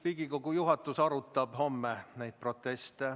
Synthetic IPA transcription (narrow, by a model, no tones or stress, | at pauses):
piɡ̥iko̞ɡujuɦɑt̪ːˑusɑɾut̪ːˑɑb̥ho̞mːenæjd̪̥̚pro̞t̪ːˑest̪e